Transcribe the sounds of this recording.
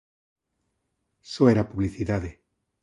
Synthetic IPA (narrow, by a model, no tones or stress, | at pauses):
soeɾapuβliθiðaðe